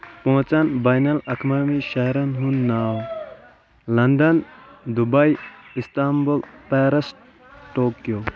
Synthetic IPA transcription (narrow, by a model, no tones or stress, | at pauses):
põːt͡sɐnbajnɐlɐkʰmamiʃɐɦɾɐnɦunːaːw | lɐnɖ̪ɐnd̪ubɐjist̪ambulpaːɾɐs | ʈoːkjo